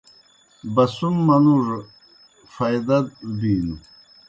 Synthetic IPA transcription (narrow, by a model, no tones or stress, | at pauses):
bɐsumːɐnuʐ | fɐjd̪ɐd̪̚biːnu